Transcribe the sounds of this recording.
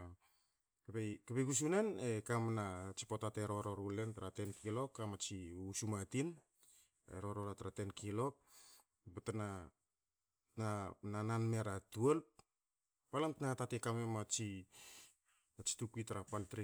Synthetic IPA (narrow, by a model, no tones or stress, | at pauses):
kepejkepekus̬unenekamnat͡ʃi̥potateɾo̞ɾo̞ɾule̞ntaɾate̞nkʰilo̞kamat͡ʃiusumatin | ḛɾo̞ɾoɾataɾate̞nkilo̞p̚ | betana | nanananme̞ɾatuelp̚ | palamtanakatatekamemat͡ʃi | nat͡ʃi̥tukitaɾapaltɾi